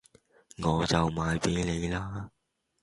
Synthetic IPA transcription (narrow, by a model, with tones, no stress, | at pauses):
ŋɔː˨˧t͡sɐ˨wmaː˨˧jpe˨˥jne˨˧jlaː˥